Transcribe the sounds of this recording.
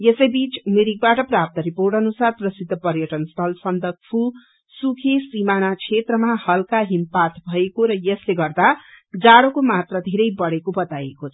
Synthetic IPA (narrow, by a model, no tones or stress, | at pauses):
jesʌjbit͡sumeɾik̚baʈʌprap̚t̪ʌɾiporʈʌnusarprʌsid̪ʱːʌpʌɾjʌʈʌnst̪ʰʌlsʌnd̪ʱʌk̚pʰu | sukʰesimanakʰet̪rʌmahʌlkaɦimpat̪bʱʌekoɾʌjʌsleɡʌrd̪ad͡zaɽokomat̪rʌd̪ʱeɾʌjbʌɽekobʌt̪ajekot͡sʰʌ̥